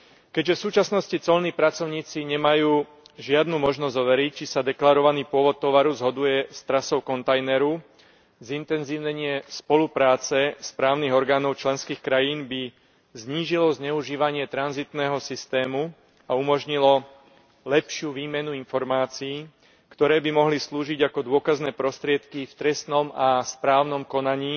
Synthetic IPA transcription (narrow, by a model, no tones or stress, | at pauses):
kɛɟʒɛfsuːt͡ʃasnɔscit͡sɔlniːpɾat͡sɔʊɲiːt͡siɲɛmajuː | ʒɪad̪numɔʒnɔzzɔʋɛɾic̚t͡ʃisad̪ɛklaɾɔʋaniːpʊɔʋɔt̪ːɔʋaɾuzɦɔd̪ujɛst̪ɾasɔʊkɔnt̪ajnɛɾu | zint̪ɛnziːʊɲɛɲɪɛspɔlupɾaːt͡sɛspɾaːʊniɣɔɾɡaːnɔʊt͡ʃlɛnskiːxkɾajiːnbi | zɲiːʒilɔzɲɛuʒiːʋaɲɪɛt̪ɾanzit̪nɛːɦɔsist̪ɛːmu | aumɔʒɲilɔ | lɛpʃɪuʋiːmɛnuinfɔɾmaːt͡siiː | kt̪ɔɾɛːbimɔɦlisluːʒiɟakɔd̪ʊɔkaznɛːpɾɔst̪ɾɪɛt̪kift̪ɾɛst̪nɔmaspɾaːʊnɔmkɔnaɲiː